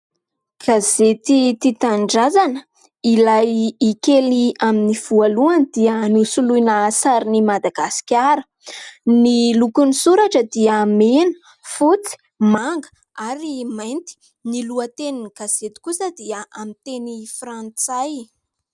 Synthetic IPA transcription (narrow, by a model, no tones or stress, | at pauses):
ɡ̥azet̪it̪it̪aɳɖ͡ʐazanə | ilajːkeliaminiv̥ualuand̪̥iənusuluinaasaɾinimad̪aɡasi̥kʲaɾə̥ | nilukunisuɾaʈ͡ʂəd̪iəmenə̥ | fut͡si̥ | maŋɡə̥ | aɾimajnt̪i̥ | niluət̪eniniɡ̥az̥et̪i̥kusəd̪iəʔamit̪enifɾant͡saj